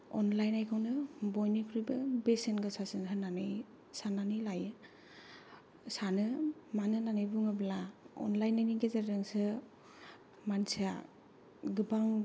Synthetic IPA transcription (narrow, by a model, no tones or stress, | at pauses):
ɔ̰nlajnajkʰɯwnɯbɔjnikʰɯɾibɯbesenɡɯsasɯnɦɯnanɯj | sananɯjlajɯ | sanɯmanɯnanɯjbuŋɯblaɔ̰nlajnajniɡezeɾɾɯŋsɯ | mansia | ɡɯbaŋ